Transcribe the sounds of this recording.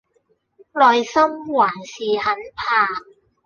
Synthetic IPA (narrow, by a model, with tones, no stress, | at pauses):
lɔː˨jsɐ˥mwaː˨˩nsiː˨˩hɐ˨˥npʰaː˧